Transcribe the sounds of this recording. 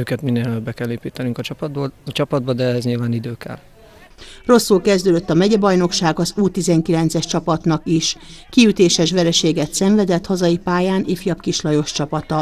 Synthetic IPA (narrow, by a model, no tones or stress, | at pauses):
øːkɛt̪minːeːlløbːɛkɛlːeːpiːt̪ɛnyŋkɒt͡ʃɒbot͡ʃɒpɒd̪̚bɒd̪ɛɛzɲilvaːnid̪øːkɛ̰l | ro̞sːulkɛzd̪øːd̪øt̪ːɒmɛɟɛbɒjno̞kʃaːɡɒzuːt̪izɛŋkilɛnt̪sɛʃt͡ʃɒpɒt̪nɒkiʃkiyt̪eːʃɛʃʋɛɾɛʃeːɡɛt̪sɛɱvɛd̪ɛt̪hɒzɒjipaːjaːnʔeːfijɒpkiʃlɒjo̞ʃt͡ʃɒpɒt̪ɒ